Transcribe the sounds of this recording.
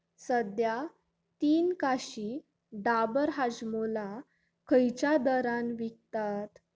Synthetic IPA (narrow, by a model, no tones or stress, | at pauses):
səd̪ja | t̪iːnkaɕi | ɖabəɾɦad͡ʑmola | kʰəjt͡ɕjad̪əɾanʋik̚t̪at̪